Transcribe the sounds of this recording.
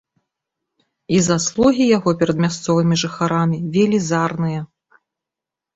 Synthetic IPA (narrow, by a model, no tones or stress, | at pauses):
izaslˠuɣʲijaɣɔpʲɛɾɐd̪mʲast̪sɔvɨmʲiʐɨxaɾamʲivʲelʲizarnɨjɐ